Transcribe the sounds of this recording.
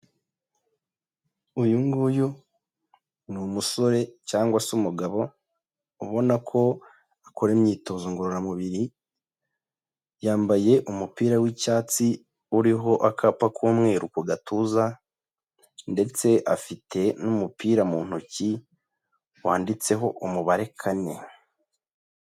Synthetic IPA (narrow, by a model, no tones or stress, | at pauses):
ujuŋɡuju | numuso̞ɾe̞caːŋɡwasumuɡaβo̞ | uβo̞nakʰo̞ | akʰoɾemɲiːto̞zoŋɡoɾoɾamuβiɾi | jaːmbaje̞ʔumupiːɾawicaːt͡si | uɾiɦo̞ʔakʰapakʰumŋe̞ːɾukuɡatuza | nde̞t͡se̞ʔafitʰe̞numupiːɾamuːn̥huci | waːndit͡se̞ɦo̞ʔumuβaɾe̞kʰane̞̰